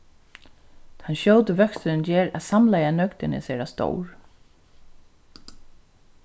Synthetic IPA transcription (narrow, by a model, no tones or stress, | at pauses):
t̪ʰanɕœwt̪əʋœkst̪nɪnd͡ʒɛːɾæ̰ðsamlajanœkt̪ɪnɪ̰sɛːɾast̪o̰wɹ